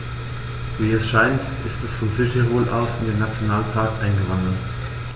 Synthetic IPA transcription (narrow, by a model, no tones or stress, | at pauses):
viːɛsʃaɪntʔɪstd̥ɛsfɔnzytʰeʁoːlʔaʊsɪndeːnat͡sjonaːlpʰaɐkʔaɪnɡəvandl̩t